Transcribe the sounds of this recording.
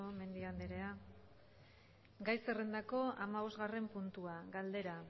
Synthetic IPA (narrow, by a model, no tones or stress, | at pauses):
ome̞nd̪iand̪eɾe̞a | ɡajsere̞nd̪ako̞amaβ̞o̞zɣare̞mpunt̪uaɡald̪e̞ɾa